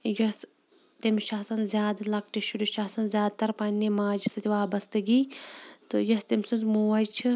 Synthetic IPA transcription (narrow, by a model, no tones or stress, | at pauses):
jɐs | t̪imʃɐːsɐnzʲjaːd̪ɐlɐk̚ʈiʃuɖiʃɐːsɐnzʲjaːd̪t̪ɐɾpɐnʲːimaːd͡ʒisɐt̪ʲiʋaːbɐst̪ɨɡiːt̪ɨjɐst̪imsunzmuːɐjt͡ʃʰɨ